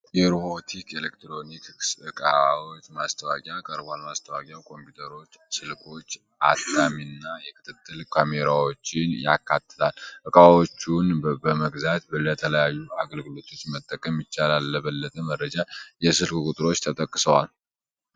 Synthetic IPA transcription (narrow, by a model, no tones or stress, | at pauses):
jɛɾohot̪ʰikʰelekt̪ɾo̞niksɨkʼa̰awot͡ʃmast̪ʰəwakʼjakʼəɾbanmast̪ʰəwakʼjawkʰo̞mpjut̪ʰəɾo̞t͡ʃːsɨlkʰʼo̞t͡ʃː | a̰t̪ːaminːajɛkʰɨ̥t̪ʰɨt̪ʰːɨlkʰameɾawot͡ʃːɪnja̰kːat̪ʰːɨlalʔɨkʼawot͡ʃːunbəməɡzat̪bələt̪ʰələjajːuaɡəlɡɨlo̞t̪ʰo̞t͡ʃːmət̪ʼːəkʼəmjɪt͡ʃːalalːəβəlːət̪ʼəmərːəd͡ʒajɛsɨlkkʼut̪ʼɨɾo̞t͡ʃːt̪ʰət̪ʼəkʼːɨsəwa̰l